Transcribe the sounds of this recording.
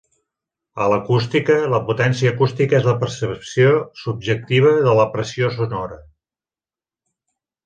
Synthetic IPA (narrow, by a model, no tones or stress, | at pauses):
ələkust̪ikələput̪ɛnsiəːkust̪ikəezləpəɾsəpsiosub̚ʒək̚t̪iβ̞əðələpɾəsios̬unɔɾə